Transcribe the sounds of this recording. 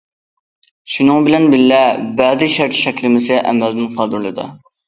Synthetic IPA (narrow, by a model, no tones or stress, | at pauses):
ʃunɨŋbɪlɛnbɪllɛbæzɪʃɛɾt̪ʰi̥ʃɛkʲlɪmɪsɪʔɛ̰mæld̪ɪnqʰɑd̪uɾlˠɨd̪ɨ̰